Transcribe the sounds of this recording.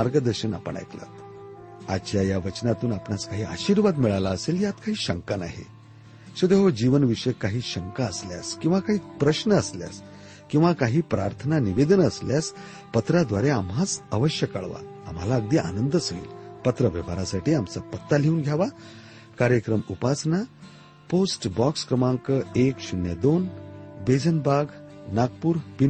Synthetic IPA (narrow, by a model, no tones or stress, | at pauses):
maɾɡəd̪əɾɕəna̰pə̰ɳa̰jkla̰t̪ | at͡ɕjajaʋət͡ɕnat̪uːnapnaskaɦiːa̰ɕiːɾʋad̪miɭalaəseljat̪kaɦiːɕəŋkana̰ɦḛ | ɕed̪eɦod͡ʑiʋənʋiʂəjkaɦiːɕəŋkaəslja̰skĩw̃ʋakaɦiːpɾəɕnəəslja̰s | kĩw̃ʋakaɦiːpɾaɾt̪ʰənaniʋed̪ənəsljas | pət̪ɾad̪ʋaɾeamɦat͡səʋəɕjəka̰ɭʋa̰a̰mɦalaəɡ̚d̪iːʔa̰nənd̪əsəɡḭːlpət̪ɾəʋjə̰ʋaɾasaʈʰiːamt͡sapət̪ːaleuːnɡʱjaʋa | kaɾjəkɾəmupasna | posʈbɔkskɾəmaŋkəekɕunjəd̪onbed͡zənbaɡnaɡpuːɾpin